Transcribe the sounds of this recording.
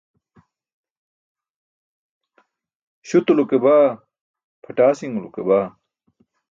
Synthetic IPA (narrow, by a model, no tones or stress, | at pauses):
ɕut̪ulukebaː | pʰɐʈaːsiŋulukebaː